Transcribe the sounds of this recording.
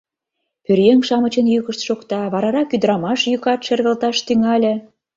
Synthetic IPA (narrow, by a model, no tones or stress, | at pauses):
pørjeŋʃɑmət͡ɕə̆njykə̆ʃt̪ʃokt̪ɑβɑɾɑɾɑkyd̪ɾɑmɑʃjykɑt̪ʃĕrɣə̆lt̪ɑʃt̪yŋɑlʲĕ